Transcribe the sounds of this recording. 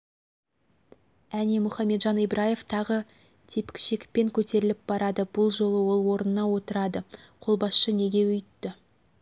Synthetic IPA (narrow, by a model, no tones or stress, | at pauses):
ænemʊχɑmːe̞t̪ʒɑnijbɾʔaje̞vt̪ʰɑʁə | t̪ʰe̞pɪkʲʃekʲpe̞ŋkʲʰɵt̪e̞ɾɪlɪp̚b̥ɑɾɑd̪əb̥ʊlˠʒo̞lˠəwo̞lˠwo̞ɾnənɑwo̞t̪əɾɑd̪əqʰo̞lˠbɑsʃəne̞ɡʲe̞wʏjt̪ːɪ